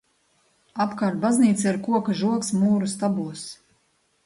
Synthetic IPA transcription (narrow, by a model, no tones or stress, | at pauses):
apkaːɾt̪̚bazniːt̪siɾkuɔkaʒuɔksmuːɾust̪abuɔs